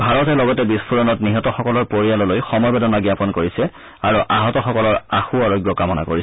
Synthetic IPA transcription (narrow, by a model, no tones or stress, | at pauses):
bʱaɹɔtɛlɔɡɔtɛbispuɹɔnɔtniɦɔtɔxɔkɔlɔɹpoɹijalɔlojxɔmɔjbedɔnaɡjapɔnkoɹisɛ | aɹuʔaɦɔtɔxɔkɔlɔɹaxuaɹɔɡjɔkamɔna̰ko̰ɹis